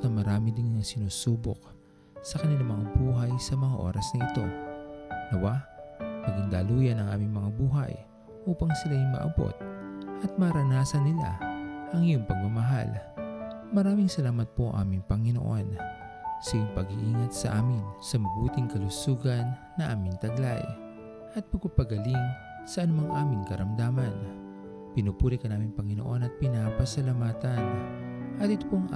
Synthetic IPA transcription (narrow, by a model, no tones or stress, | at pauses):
nɐmɐɾaːmɪd̪ɪŋnɐŋsɪnuːsuːbo̰k̚ | sɐkɐnɪlamɐŋabuːɦɐjsɐmɐŋaʔo̞̰ːɾɐsnɐʔɪt̪o̞̰ | d̪ɐwapɐɡiŋd̪aːluːjɐnɐŋʔaːmɪŋmɐŋabuːɦɐ̰j | ʔuːpɐŋsɪlajʊŋmɐ̰ʔɐ̰bo̰t̪̚ʔɐt̪̚mɐɾɐnaːsɐnːɪla̰ʔɐŋɪjoŋpɐɡ̚mɐmɐɦa̰l | mɐɾaːmɪŋsɐlaːmɐt̪̚poʔɐ̰ŋʔa̰ːmɪŋpɐŋɪno̰ʔo̰n | sɐjoŋpɐɡiʔiːŋɐt̪̚sɐʔaːmɪnsɐmɐɡuːt̪ɪŋkɐlʊsuːɡɐnːɐʔaːmɪŋt̪ɐɡla̰j | ʔɐt̪̚pɐɡ̚pɐpɐɡɐliŋ | sɐʔɐnʊmaŋʔaːmɪŋkɐɾɐmd̪aːmɐn | pɪnupuːɾɪkɐnaːmɪŋpɐŋɪno̞̰ʔo̞nɐt̪̚pɪnaːpɐsɐlɐmaːt̪ɐnʔɐt̪ɪt̪opoŋ